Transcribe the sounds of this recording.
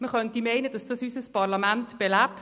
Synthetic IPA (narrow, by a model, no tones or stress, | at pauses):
məχœntimɛɪnəd̥ɑsd̥ɑsysəspɑʁlɑmæntb̥ɛlæp